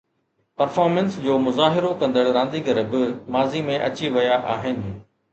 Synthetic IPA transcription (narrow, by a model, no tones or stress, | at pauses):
pɐɾfaːɾmə̃nsd͡ʑoːmʊzaːɦɪɾokɐ̃nd̪əɽɾãːnd̪iɡɐɾbɪmaːzimẽʔɐ̰t͡ɕiʋɐjaʔaːɦɪnɪ̆